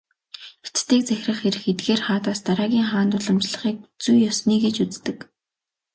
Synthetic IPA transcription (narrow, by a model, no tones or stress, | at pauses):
e̥t͡st̪eːk̚t͡sæxʲrə̆χeɾɘ̆xet̪̚ɡeːrχaːt̪aːst̪aɾaːɣʲiːŋχaːnt̪ʊɮə̆mt͡ɕɮə̆χiːk̚t͡sujːɔsniːɡet͡ɕut͡st̪ɘ̆k